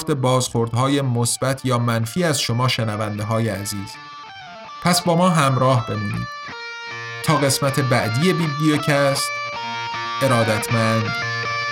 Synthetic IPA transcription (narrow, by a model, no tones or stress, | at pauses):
t̪e̞bɒːzxoɾd̪hɒːjemosb̥æt̪ʰjɒːmænfiːæzʃo̞mɒːʃenævænd̪eɦɒːjeæziːz̥ | pʰæsbɒːmɒːɦæmɾɒːhbe̞muːnḭːd̪̥ | t̪ʰɒːɣe̞smæt̪ʰe̞bæʔd̪ije̞biːblijocʰæst̪ | e̞ɾɒːd̪æt̪ʰmænd̪